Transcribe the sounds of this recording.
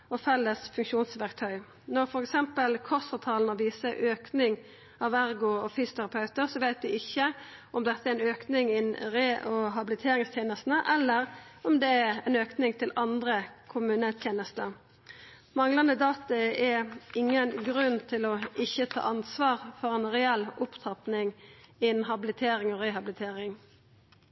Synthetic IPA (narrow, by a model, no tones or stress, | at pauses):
ɔfɛlːəsfʉŋkʃuːnsʋæʁk̚t̪ʰœʏ | nɔɾfɔɾɛksɛmpəlkʰɔsɑt̪ʰɑːlnɔʋiːsəʔøːknɪŋ | ɑʋæɾɡʊɔfysʊt̪ʰæʁɑpʰɑʉt̪əɾsɔʋæɪt̪ʋɪɪçːəʔɔmd̪ɛt̪ːəæɪnøːknɪŋɪnɾeːʔɔɦɑbɪlɪt̪ʰeːɾɪŋst̪jeːnəst̪n̩əʔɛlːəɾɔmd̪ɛæɾɛnøːknɪŋt̪ʰɪlɑnd̪ɾəkʰʊmʉːnət̪ʰjeːnəst̪ə | mɑŋlɑnəd̪ɑːt̪ɑɛɪŋːənɡɾʉnt̪ʰɪlɔɪçət̪ʰɑ̰ːʔɑnsʋɑːʁfɔʁɛnʁɛɛlʊpt̪ʰɑpnɪŋɪnɦɑbɪlɪt̪ʰeːɾɪŋɔʁeːhɑblɪt̪ʰeːɾɪŋ